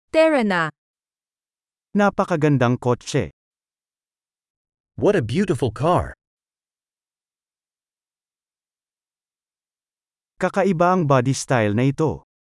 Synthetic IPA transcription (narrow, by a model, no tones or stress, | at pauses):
t̪ɛɹɐna | napɐkɐɡɐnd̪aŋkot͡ʃɛ̰ | wʌɾəbjʉɾəfl̩ˠkʰɑɹ | kɐkɐʔɪbaɐŋbad̪ist̪ajlnɐɪt̪o̞